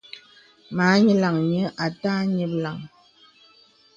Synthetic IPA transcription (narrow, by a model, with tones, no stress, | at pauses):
ma˨˦ɲə˦la˨ŋɲə˦ʔa˨taː˦ɲə˦pla˨ŋ